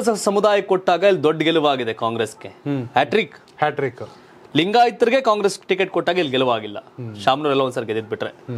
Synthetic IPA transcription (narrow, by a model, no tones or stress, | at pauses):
ɐsɐmud̪aːjɐkoʈːaːɡɐilːd̪oɖːɡeluʋaːɡid̪e̞kaːŋɡɾeskehaːʈɾik | haʈɾik | liŋɡaːjit̪ɐɾiɡe̞kaːŋɡɾesʈikeʈ̚koʈːaːɡɐilɡeluʋaːɡilːɐ̰ʃaːmnuːɾɛlːɐʋɐnd̪saːɾɡed̪id̪̚biʈːɾe